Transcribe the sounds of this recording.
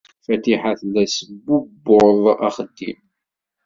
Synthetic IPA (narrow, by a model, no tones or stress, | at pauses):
fæt̪iħaθlæsəbubːʊðˤɑχəd̪ːḭm